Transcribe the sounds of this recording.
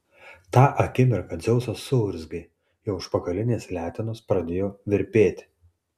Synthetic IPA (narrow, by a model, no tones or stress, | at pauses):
t̪ɑːʔɐkʲɪmʲɪɾkɐd̪zʲɛʊsɐsʊʊɾʲzɡɐɪ | jɛʊʊʃpɐkɐlʲɪnʲeːsʲlʲæːt̪ʲɪnoːspɾɐd̪ʲeːjoːʋʲɪɾʲpʲeːt̪ʲ